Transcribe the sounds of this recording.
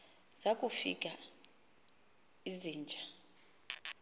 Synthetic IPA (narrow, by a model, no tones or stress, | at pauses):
z̥akʼufḭk̬ʼa | iziːnd͡ʒʱa